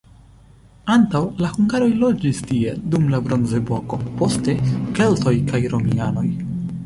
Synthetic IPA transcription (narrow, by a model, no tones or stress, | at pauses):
antawlahuŋɡaɾo̞jlo̞d͡ʒistie̞dumlabɾo̞nze̞boko̞po̞ste̞kelto̞jkajɾo̞miano̞j